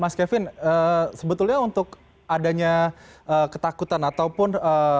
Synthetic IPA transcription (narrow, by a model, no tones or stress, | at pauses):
maskefɪnəsəbət̪ʊlɲaunt̪ʊk | adaɲaəkət̪akut̪anat̪awpʊnə